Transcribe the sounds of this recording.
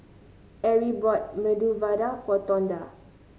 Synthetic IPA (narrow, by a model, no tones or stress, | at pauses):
ʔɛɹibɔt̚mɛduvadapɔt̪ɔ̃nda